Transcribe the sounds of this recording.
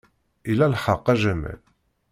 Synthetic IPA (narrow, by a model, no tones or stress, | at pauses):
ilælħɑqːæʒæmæ̰l